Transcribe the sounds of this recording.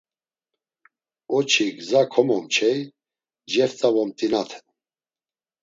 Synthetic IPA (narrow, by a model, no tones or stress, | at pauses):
ɔt͡ʃʰiɡzakʰɔmɔmt͡ʃʰɛj | d͡ʒɛɾt͡s̪ʼavɔmt̪ʼinat̪ʰɛ̥